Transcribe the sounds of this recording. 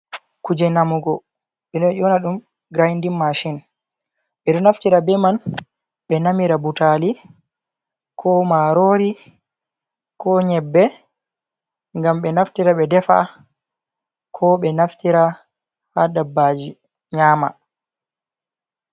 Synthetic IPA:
kud͡ʒɛnamuɡɔ | ɓɛnɔjɔnaɗum | ɡɾajndimːaʃin | ɓɛɗɔnaftiɾabɛman | ɓɛnamiɾabutali | kʰɔmaɾoɾi | kɔɲɛbːɛ | ŋɡamɓɛnaftiɾaɓɛdɛfa̰ | kʰɔɓɛnaftiɾa | haɗabːad͡ʒi | ɲaːma̰

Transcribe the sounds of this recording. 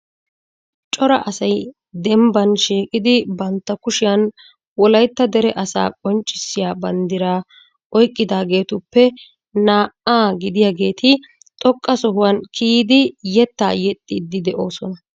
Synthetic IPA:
t͡ʃʼɔɾɐ̰ʔɐsɐj | d̪ɛmbɐnʃiːkʼɪd̪ɪbɐnt̪ːɐkʊʃɪjɐn | wɔlɐjt̪ːɐd̪ɛɾɛʔɐsa̰ːkʼɔnt͡ʃʼːɪsːɪjaːbɐnd̪ɪɾaː | ʔɔjkʼːɪd̪aːɡe̞ːt̪ʊpːɛ | naːʔaːɡɪd̪ɪjaɡe̞ːt̪ʰɪ | t̪ʼɔkʼːɐsɔɦʊwɐnkʰiːd̪ɪjɛt̪ːaːjɛt̪ʼːɪd̪ːɪd̪ɛʔo̞ːsɔnɐ

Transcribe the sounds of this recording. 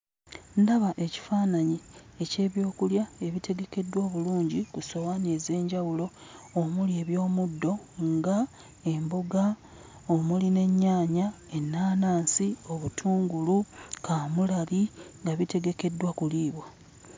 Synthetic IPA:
ndaβaʔe̞ci̥faːnaɲiece̞ːβjo̞ːkuljae̞βitʰe̞ɡe̞ke̞dːwaβuluːɲɟikuso̞waneze̞ːɲɟawulo̞omulie̞βjo̞ːmudːo̞ | ŋɡa | e̞mboɡa | omuline̞ɲːaːɲa | e̞nːaːnaːnsio̞βutʰuːŋɡulukamulaliŋɡaβite̞ɡe̞ke̞dːwakuliːβwa

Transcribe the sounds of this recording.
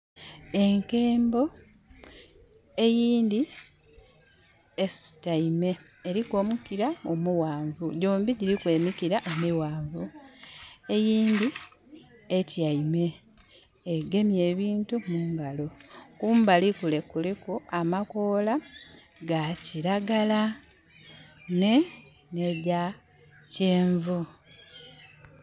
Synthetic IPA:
e̞ŋke̞ːmbo̞ | e̞jiːndi | esi̥taime̞ːɾiko̞ːmukiɾaomuwaːɱvuɟoːmbiɟiɾikwe̞ːmikiɾaʔemiwaːɱvu | e̞jiːndi | etjaime̞ː | ɡe̞mje̞ːβiːntumuːŋɡalo̞kuːmbalikule̞kulikuamako̞ːla | ɡaciɾaɡala | ne | nea | ceːɱvu

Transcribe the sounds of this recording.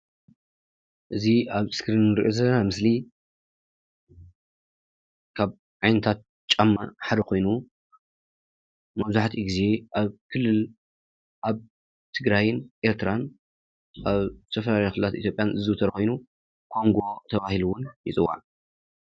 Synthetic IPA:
ʔɨziaβskɾinɾḭʔozɐlɐnamɨsli | kʰaβ | ʕajnɐt̪ʰat̪̚ | t͡ʃʼamːa̰ħad̪ɐkʰo̞jnu | mɐβzuaħt̪ʰiɡize̞ʔaβkʰɨlːɨl | ʔaβ | t̪ʰɨɡɾajnʔe̞ɾt̪ʰɨɾan | ʔaβt̪ʰɐfɐlalajkxɨlɨlat̪ʔḭt̪jo̞pʼjanɨzɨwt̪ʰɐɾkʰo̞jnu | kʰo̞ŋɡo̞t̪ʰɐβahiluwʊnjɪt͡sʼɨwːa̰ʕ

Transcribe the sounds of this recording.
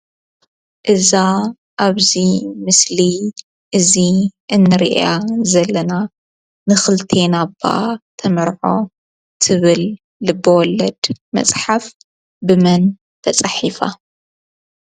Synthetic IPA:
ʔɨza | ʔaβzimɨsli | ʔɨziʔɨnːɨɾiʔazɐlːɐna | nɨxɨlt̪ʰe̞nabːa̰t̪ʰɐmɐɾʕo̞ | t̪ʰɨβɨlː | ɨbːɐwɔlːɐd̪mɐ̰t͡sʼħaf | bɨmɐn | t̪ʰɐt͡sʼaħifa̰

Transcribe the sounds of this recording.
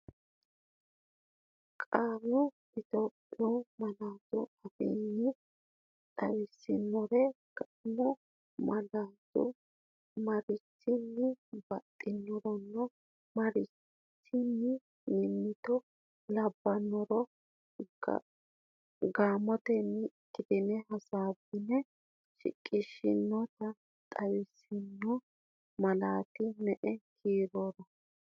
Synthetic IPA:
kʼaːmɔ | ɪt̪oːpʼːɪɔmɐlaːtʊ̰ɐfɛ̰nːɪ | ɗɐwɪsːɪnːɔɾɛ | kʼamɔ | mɐlaːdʊ̰ | mɐɾɪtːɪnːɪbɐt̪ʼːɪnːɔɾɔnːɔ | mɐɾɪ | t͡ʃːɪnːɪ | nɪnːɪt̪ɔ | lɐbːɐnːɔɾɔ̰ | ɡaːmɔt̪ɛnːɪtːɪd̪ɪnɛɦɐsaːbːɪnɛ | ʃɪ̰kʼːɪʃːɪnːɔt̪ɐ | t̪ʼɐwɪsɪnːɔ | mɐlaːt̪ɪmɛʔɛkʰiːɾoːɾɔ

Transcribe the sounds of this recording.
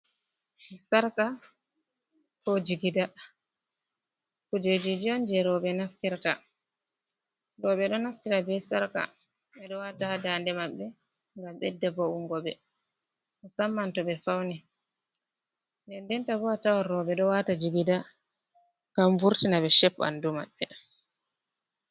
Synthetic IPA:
saɾka | kɔd͡ʒiɡida | kud͡ʒed͡ʒid͡ʒiɔnd͡ʒɛɾɔɓɛnaftiɾta | ɾɔɓɛɗɔnaftiɾabɛsaɾka̰ | ɓɛɗɔwatadandɛmaɓːɛ | ŋɡamɓɛdɛvɔuŋɡɔɓɛ | ʔɔsamːantɔɓɛfawni | bɛndɛntabɔatawaɾɔɓɛɗɔwatad͡ʒiɡida | ŋɡamvuɾtinaɓɛʃɛpːa̰nduma̰ɓːɛ

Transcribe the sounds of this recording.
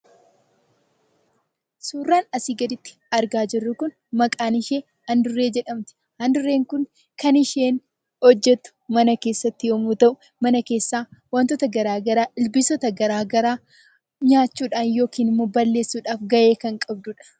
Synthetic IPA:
suːrːaːnɐsiːɡɐd̪ɪt̪ːɪ̥ | ɐɾɡaːd͡ʒɪrːʊkʊn | mɐkʼaːnɪʃeː | ɐnd̪ʊrːe̞ːd͡ʒɛᶑɐmt̪ɪ̥ | hɐnd̪ʊrːe̞ːŋkʊŋ | kɐnɪʃe̞ːn | hɔd͡ʒːɛt̪ːʊ̥mɐnɐke̞ːsːɐt̪ːɪjomuːt̪ɐʔʊ | mɐnɐke̞ːsːaːwɐnt̪ɔt̪ɐɡɐɾaːɡɐɾaːʔɪlbɪsɔt̪ɐɡɐɾaːɡɐɾaː | ɲaːt͡ʃːuːᶑaːnjo̞ːkiːnɪmːoːbɐlːe̞ːsːuːᶑaːfɡɐʔe̞ːkɐŋkʼɐbd̪ʊːᶑɐ̥

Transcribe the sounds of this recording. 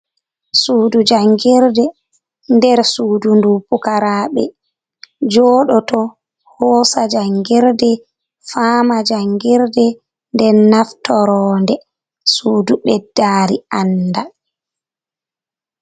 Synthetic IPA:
suːdud͡ʒaŋɡiɾdɛ | ndɛɾsuːdundupukaɾaːɓɛ | d͡ʒɔɗɔtɔ | hɔːsad͡ʒaŋɡiɾdɛ | famad͡ʒaŋɡiɾdɛ | ndɛnaftɔɾɔːndɛ | suːduɓɛdːaːɾianːda

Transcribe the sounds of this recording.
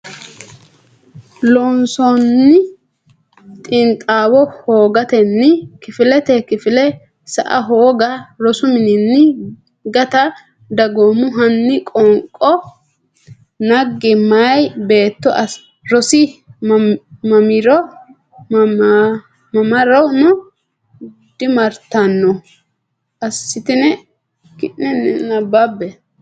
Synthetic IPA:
lɔnsɔnːɪ | t̪ʼɪnt̪ʼaːwɔhoːɡɐt̪ɛnːɪkɪfɪlɛt̪ɛkɪfɪlɛ | sɐ̰ʔɐɦoːɡɐɾɔsʊmɪnɪnːɪ | ɡɐt̪ɐ | d̪ɐɡoːmʊɦɐnːɪkʼɔŋkʼːɔ | nɐɡːɪmɐjbe̞ːt̪ːɔʔɐs | ɾɔsɪmmɐmɪɾɔ | mɐmɐɾɐwnʊ | d̪̥ɪmɐɾt̪ːɐnːɔ | ʔɐsːɪt̪ɪnɛ | kɪʔnɛnɛnɐbːabːɛ

